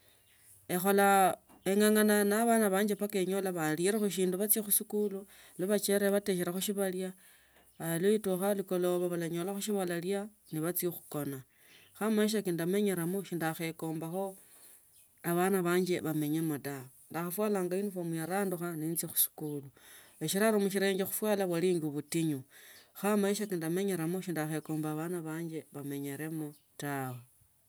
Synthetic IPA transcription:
e̞xo̞la | eŋaŋananaβanaβaːɲd͡ʒe̞pakeɲolaβaliɾexoʃ̬iːnduβat͡sjexusikulu | loβat͡ʃe̞ɾeβate̞ʃ̬eɾaxoʃiβaljaː | loituxaliko̞loβaβalaɲolaxuʃiβalalja | niβat͡siexu̥ko̞na | xamaʃ̬akindame̞ɲeɾamoʃindaxe̞ko̞ːmbaxo̞ | aβanaβaːɲd͡ʒe̞βame̞ɲemoda | ndaxafwaːlaːŋɡainifomujaɾaːnduxaniːnt͡sixu̥si̥kulu | eʃiɾaɾomuʃiɾe̞ːŋɡexu̥fwaːlaβwaliːŋɡiβutiɲuxamaiʃ̬akindame̞ɲe̞ɾamoʃindaxe̞ko̞ːmbaβanaβaːɲd͡ʒe̞βame̞ɲe̞ɾe̞mo | tawe

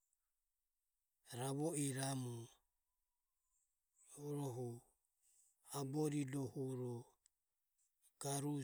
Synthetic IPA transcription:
ɾaβɔiɾamu | ɾɔɦu | abɔɾidɔhuɾɔ | ɡ̥aɾu

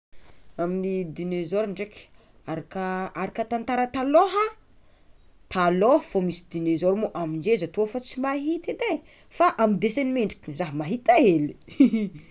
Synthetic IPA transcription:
aminid̪inezoɾiɳɖ͡ʐekʲ | aɾakaʔaɾakət̪ant̪aɾət̪aloɦa | t̪aloɦfomisi̥d̪inezoɾumoʔamind͡ʒezat̪ofat͡simaɦit̪ed̪e | faʔamid̪esenimeɳɖ͡ʐi̥kʲzaɦmaɦit̪aeli

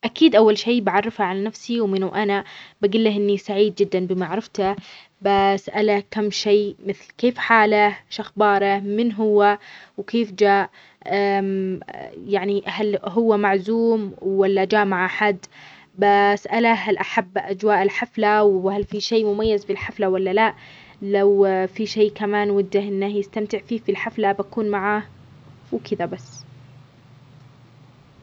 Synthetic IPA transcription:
ʔakiːd̪ʔawːalʃeːbaʕɑrˤːɪfhaʕalanafsiwmɪnuʔanabaɡɪlːahʔɪnːisaʕiːd̪̚d͡ʒɪd̪ːanbɪmaʕɾˤɪft̪a | basʔalakamːʃeːmɪθlkeːfħaːlaʃaxbɑːɾˤamɪnɦʊwːawkeːfd͡ʒaːʔ | ʔam | jaʕnihalɦʊwːamaʕzuːmwwalːad͡ʒaːʔmaʕʔaħad̪ː | basʔalaɦalʔaħabːʔad͡ʒwaːʔɪlħaflawhalfiʃeːmʊmajːazbɪlħaflawalːalaʔ | lawfiʃeːkamaːnwɪd̪ːahʔɪnːahjɪst̪amt̪ɪʕfiːfilħaflabakuːnmaʕah | wkʰɪd̪abasː

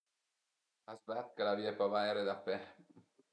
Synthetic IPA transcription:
azbat̪kalaviːepavaeɾed̪apːɛ

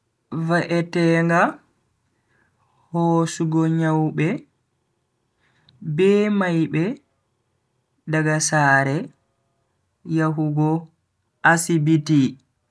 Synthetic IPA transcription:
vaʔɛtɛːŋɡa | hoːsuɡɔɲawɓɛ | bɛːmajɓɛ | daɡasaːɾɛ | jaɦuɡɔ | ʔasibiti

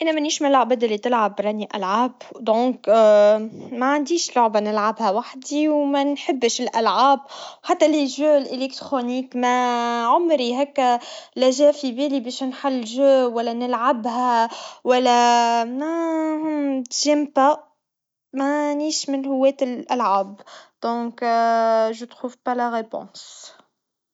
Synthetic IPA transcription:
ʔænːæmæniːʃmlʕabæd̪ɪlːit̪ɪlʕabɾˤɑniʔæ̰lʕaːbd̪õːk | mæʕand̪iːʃlʊʕbanɪlʕabhæwaħd̪iwmænħɪbːʃɪlʔælʕaːbwħat̪ːæliʒøːlʔelek̚t̪ɾoniːkmæʕʊmɾiɦækːælæʒɛːfibilibɛːʃnħalːɪʒøːwælːænəlʕabɦæwælːæmæhʊmt̪ʒimpa | mæniːʃmɪnhʊwːɛːt̪ɪlʔælʕaːbd̪̥ɔ̃ːk | ʒət̪xuːvpalaɣepõ̰ːs

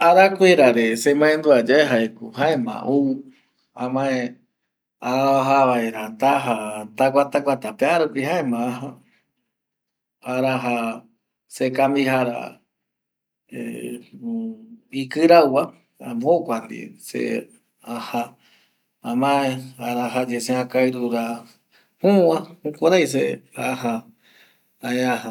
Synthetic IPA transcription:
aɾakʷeɾaɾesemãẽnd̪uad͡ʒaeɦaekṵhaẽmã̰ʔou | ãmãe | aɦaβaeɾat̪aɦat̪akʷat̪akʷat̪apeaɾopiɦãẽmãaɦa | aɾaɦa | sekambiɦaɾa̰ | ḛ | ikɨɾawa | abokʷand̪ḭsḛ | aha | amãeaɾaɦad͡ʒeseãkaɨɾuɾa | hũwahũkʷoɾajs̬eaɦa | aeãha

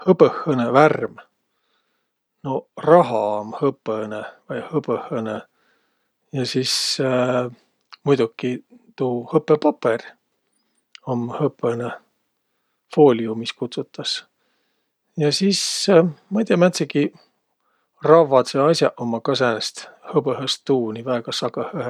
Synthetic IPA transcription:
hɤpəhːəneværm | norɑɦɑmhɤpːenevɑjhɤpəhːəne | jɑsis | mujd̪ukːit̪uːhɤpːˑepɑpːer | omhɤpːˑene | fo̞ːlʲiumiskut̪sut̪ːˑɑs | jɑsismɑjt̪iɑmæt̪seki | rɑvːɑt̪seɑjsʲjɑʔomːɑkɑs̬ænest̪hɤbəɦest̪ːuːnivæeɡ̥ɑsɑɡɑhehe

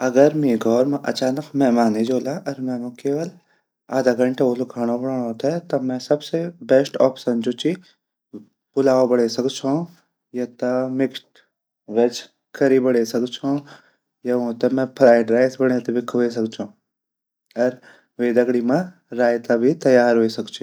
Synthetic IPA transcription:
ɐɡəɾmẽːɡʱɔːɾmẽʔɐt͡ʃaːnəkmɛɦmaːned͡ʒoːlaʔɐɾmɛ̃mʊ̃keːʋəl | aːd̪aɡɐ̃ɳʈeolokʰaɽ̃õbɐɽaːɽ̃õt̪ɛt̪ɐmɛ̃sɐbsebɛsʈɔːpsənd͡ʒut͡ʃi | pʊlaːobɐɽesɐkt͡ʃʰõ | jɐt̪amɪksʈ | ʋet͡ʃ | kɐɾibɐɽesɐkt͡ʃʰõ | jɐʋõt̪emɛ̃pʰɾaːɪɖɾaːɪsbɐɽ̃et̪ebɪkʰːes̬ɐkt͡ʃʰõː | ɐɾ | ʋeːd̪ɐɡɽimãɾaːjt̪abʱit̪ɐjaːɾɦoːisɐkt͡ʃʰi

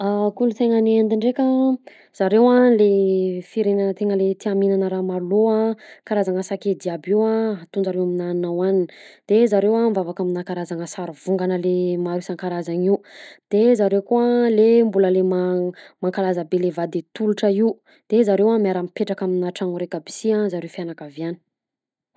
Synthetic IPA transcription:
akulut̪eŋaneand̪iɳɖ͡ʐekə | z̥aɾewalefiɾenanət̪eŋəlet̪iaminanəɾamaloakaɾazaŋəsaked̪iabiwaat̪und͡ʒaɾewaminaninawanini̥d̪̥ezaɾewamvavakaminakaɾazaŋəsaɾuvuŋɡanəlemaɾisaŋkaɾazaŋiwd̪̥ezaɾewkuəlembuləlemamaŋkalazabelevad̪et̪uluʈ͡ʂəiw | d̪̥ezaɾewamiaɾəmpeʈ͡ʂakaminaʈ͡ʂaŋuɾekəbi̥siãzaɾewfianakavianə̥

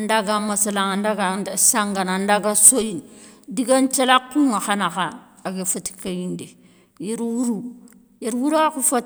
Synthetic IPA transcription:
andaɡamasalaŋandaɡasaŋɡanandaɡasojindiɡant͡ʃalakːuŋaxanaxaː | ɡefati̥kajindi | jeɾwuɾu | jeɾwuɾuakufat

